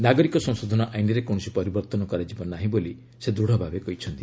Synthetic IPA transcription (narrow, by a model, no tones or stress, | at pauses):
naɡɔɾikɔsɔ̃ŋsod̪ʱɔnɔʔajniɾekoɽ̃ɔsipɔɾibɔɾt̪ɔnɔkɔɾad͡ʒibɔnaɦĩboli | sed̪ɾuɽ̤ɔbʱabekɔɦit͡ʃʰɔnt̪i